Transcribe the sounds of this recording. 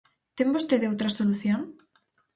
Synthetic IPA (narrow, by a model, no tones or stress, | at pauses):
t̪embost̪eðeowt̪ɾasoluθjoŋ